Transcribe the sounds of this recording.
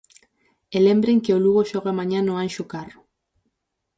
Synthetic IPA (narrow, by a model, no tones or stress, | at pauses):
elembɾeŋkeoluɣoʃoɣ̞amaɲanoanʃukaro